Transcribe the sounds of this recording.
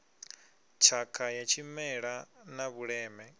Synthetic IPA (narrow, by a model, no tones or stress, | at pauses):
t͡ʃʰakʰajat͡ʃʰimɛɺanaβuɺɛːmɛ